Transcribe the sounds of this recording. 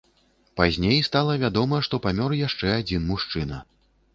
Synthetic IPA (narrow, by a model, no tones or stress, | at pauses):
pazʲnʲejst̪alˠɐvʲad̪ɔmɐʂt̪ɔpamʲɔɾjaʂt͡ʂɛad͡zʲinmuʂt͡ʂɨnɐ